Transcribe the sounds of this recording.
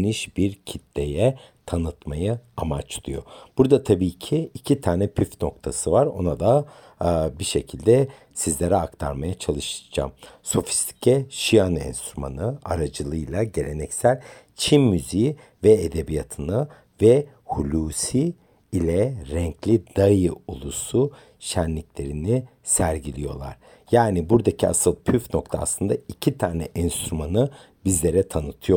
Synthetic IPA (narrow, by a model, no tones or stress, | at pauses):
niʃbiɾcʰit̪lejɛ | t̪ʰanɯt̪majaamat͡ʃlˠṵjo̞̰b̥uɾd̪at̪ʰabiːcʰiːcʰit̪ʰaːnɛpʰyfno̞k̚t̪ʰasɯvaɾo̞̰nad̪a | biʃe̞cʰilʲd̪ɛ | sizlʲeɾɛakt̪ʰa̰ɾmajat͡ʃʰalˠɯʃɯd͡ʒa̰mso̞fi̥st̪ʰi̥cʰɛʃijanɛ̰nst̪ɾuma̰nɯa̰ɾad͡ʒɯlˠɯjlˠaɟe̞lʲe̞nɛcsælʲ | t͡ʃʰinmyziji | vɛed̪ebijat̪ʰɯnɯ | vɛ | hulʲuːsiː | lʲɛɾɛɲcʰlʲid̪ajɯulˠusu | ʃænlʲiclʲe̞ɾinisæɾɟilʲijo̞lˠa̰ɾ̥ | jaːnibuɾd̪acʰia̰sɯlˠpʰyfnok̚t̪ʰa̰ːsˠɯnd̪aicʰit̪ʰaːnɛ̰ʔɛnst̪ɾumanɯ | bizlʲe̞ɾɛt̪ʰanɯt̪ʰɯjo̞